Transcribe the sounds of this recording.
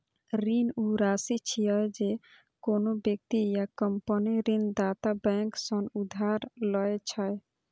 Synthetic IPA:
ɾinuɾasit͡ʃʰiəjd͡ʒe | konobjək̚t̪ijakəmpəniɾind̪at̪abɛ̃ŋksənud̪ʱaɾlɔet͡ʃʰəj

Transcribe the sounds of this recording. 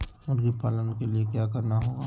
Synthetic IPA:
ʊnkipaːlənkeliekjaːkɐɾnaɦoːɡaː

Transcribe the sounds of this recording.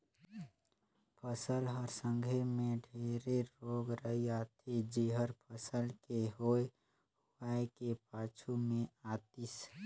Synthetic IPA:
pʰəsəlɦəɾsə̃ŋɡʱemẽɖʱeːɾeɾoɡɾəɦiat̪ʰid͡ʒiɦəɾpʰəsəlkeɦoe | huaekepat͡ʃʰumẽat̪is

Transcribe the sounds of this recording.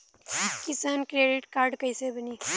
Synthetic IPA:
kɪsaːnkɾeːɖɪʈkaːɾɖkɐɪsebɐniː

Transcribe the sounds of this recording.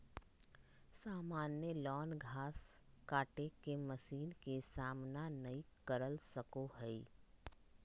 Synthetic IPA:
saːmaːnjəlɔːnɡʱaːs | kaːʈekemɐsiːnkesaːmnanɐikəɾəlsəkohɛiː

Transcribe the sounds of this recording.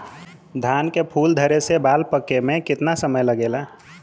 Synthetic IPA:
d̪ʱankepʰuːld̪ʱəɾesebalpəkemẽkɪt̪nasəməjləɡela

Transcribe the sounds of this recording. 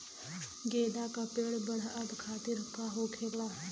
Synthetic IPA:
ɡeːd̪aːkəpeːɽbəɽaəb̪kʰaːt̪iɾʊkaːɦoːkʰeːlaː

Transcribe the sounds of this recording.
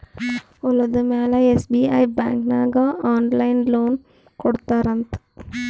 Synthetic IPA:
ɔlːɐd̪umeːlɐesbiːa̰jba̰ːŋknaːɡɐʔaːnlɐjnloːn | kɔɽt̪aːɾɐnt̪ɨ̥

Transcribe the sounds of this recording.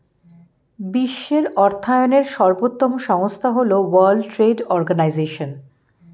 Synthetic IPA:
biʃːeɾɔɾt̪ʰaeoneɾʃɔɾbot̪ːomoʃɔŋost̪ʰaɦolowaɾlɖʈɾeɖɔɾɡanajzeʃon

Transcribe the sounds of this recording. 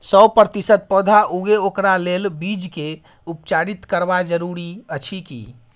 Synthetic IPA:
səpɾət̪isət̪̚pɔd̪ʱaʔuɡeokɾalelbid͡ʒke | upt͡ʃaɾit̪kəɾbad͡ʒəɾuɾiət͡ʃʰikḭ

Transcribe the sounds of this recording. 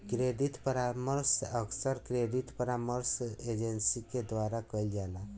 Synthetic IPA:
kɾed̪it̪pəɾaməɾsəksəɾkɾed̪it̪pəɾaməɾsed͡ʒensiked̪waɾakəjld͡ʒala

